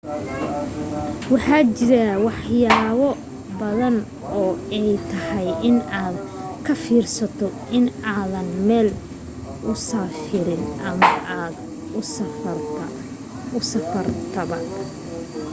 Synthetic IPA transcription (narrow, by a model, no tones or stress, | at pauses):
wɑħɑːt͡ʃɪɾawɑħjaːβɔ | bɐðɐn | ɔːɛjt̪ʰɐhɛjʔɪnaːd̪̚ | kʰɐfiːrsɐt̪ʰɔ | ɪnaːðɐnmɛːl | ʊsaːfɪɾɪnɐmɐʔaːd̪ | ʊsɐfɐrt̪ʰɐβɐ